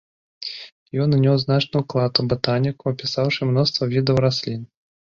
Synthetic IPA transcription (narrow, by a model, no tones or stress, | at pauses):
jɔnnʲɔwznat͡ʂnujuklˠat̪ubɨt̪anʲikuɐpʲisawʂɨmnɔst̪vɐvʲid̪ɐwɾasʲlʲin